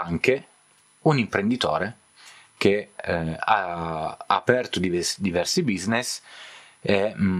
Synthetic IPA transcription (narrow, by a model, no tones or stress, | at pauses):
aŋke | unimpɾend̪it̪o̰ːɾe | ke | a | a̰pɛrt̪ud̪ivd̪ivɛrsibiznes | ɛ